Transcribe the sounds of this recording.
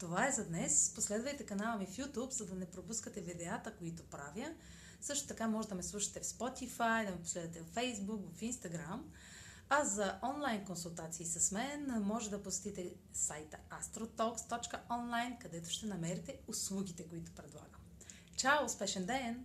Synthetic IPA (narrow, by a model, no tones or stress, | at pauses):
t̪ovaɛzɐd̪nɛsposlɛd̪vɐjt̪ɛkɐnalˠəmifjut̪upzɐd̪ɐnɛpɾopuskət̪ɛvid̪ɛat̪əkoit̪ʊpɾavjə | sɤʃt̪o̥t̪ɐkamɔʒɛd̪ɐmɛslˠuʃɐ̥t̪ɛfspɔt̪ifajd̪ɐmɛposlɛd̪vət̪ɛvfɛjzbukvɐfinst̪ɐɡɾam | ɐzɐʔɔnlˠajnkonsulˠt̪at̪siːsɐsmɛnmɔʒɛd̪ɐposɛ̥t̪it̪ɛ | sajt̪əast̪ɾot̪ɔkst̪ɔt͡ʃkəɔnlˠajnkɐd̪ɛt̪ʊ̥ʃt̪ɛnɐmɛɾit̪ɛʊslˠuɡ̟ʲit̪ɛkoit̪ʊ̥pɾɛd̪lˠa̰ɡəm | t͡ʃawˠspɛʃɛnd̪ɛn